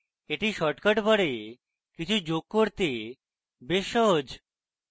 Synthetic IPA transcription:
eʈiʃɔʈkaʈbɔɽe | kit͡ɕʰud͡ʑoɡ̚koɾt̪e | beʃːɔɦod͡ʑ

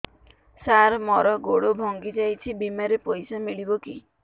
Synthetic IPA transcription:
saɾmɔɾɔɡoɽobʱɔŋɡid͡ʒajt͡ʃʰibimaɾepojsamiɭibɔki

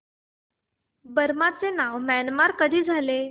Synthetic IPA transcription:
bəɾmat͡senaʋmænmaɾkəd̪ʱiːd͡zʱale

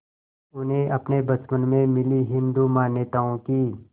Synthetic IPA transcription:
ʊnɦẽʔɐpnebɐt̪mənmẽmɪliɦɪ̃nd̪umaːnjət̪aːõkiː

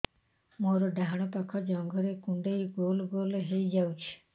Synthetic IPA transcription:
moɾɔɖaɦaɽ̃ɔpakʰɔd͡ʒɔŋɡʱɔɾekuɳɖejɡolɡoleɦejd͡ʒawt͡ʃʰi̥

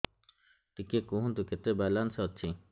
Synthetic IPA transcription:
ʈikekuɦũnt̪uket̪ebalansɦɔt͡ʃʰi

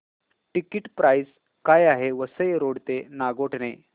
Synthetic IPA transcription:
ʈikiʈpɾajs | kajaɦeʋəsəjɾoɽt̪enaɡoʈne

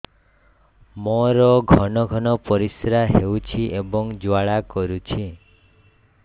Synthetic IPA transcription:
moɾɔɡʱɔnɔɡʱɔnɔpɔɾisɾaɦewt͡ʃʰiʔebɔŋd͡ʒwaɭakɔɾut͡ʃʰi

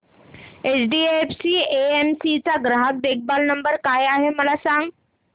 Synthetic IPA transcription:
et͡sɖiːefsiːeemsit͡saɡɾaɦak̚b̪ek̚balnəmbəɾkajaɦeməlasãŋɡ

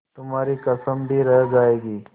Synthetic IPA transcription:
t̪ʊmaːɾikɐsəmbʱiɾɛɦd͡ʒaːeːɡiː

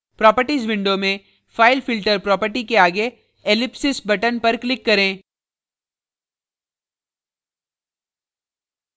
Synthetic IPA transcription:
pɾɔːpəɾʈiːzʋɪ̃ɳɖomẽ | faːɪlfɪlʈəɾpɾɔːpəɾʈikeaːɡe | eːlɪpsɪsbɐʈənpɐɾklɪkːɐɾẽː

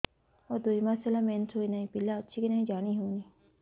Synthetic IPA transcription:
ɔːɾd̪oːimãːselamensʰoinaĩpilaɐtːʃʰikinaːĩd͡ʒaːniɦoːniː

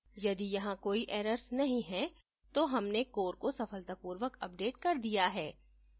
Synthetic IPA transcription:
jɐd̪ijɐɦãkoːiʔɛːɾəɾsnɐɦĩɦɛ | t̪oɦɐmnekoːɾkosɐfəlt̪əpuːɾʋəkɐp̚ɖeːʈkɐɾd̪ijaɦɛː

